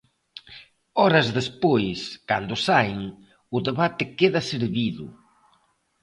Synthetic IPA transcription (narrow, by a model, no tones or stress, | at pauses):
ɔɾɐzðespojskand̪ʊsajŋ | ʊðeβat̪ɪkeðɐseɾβiðʊ̰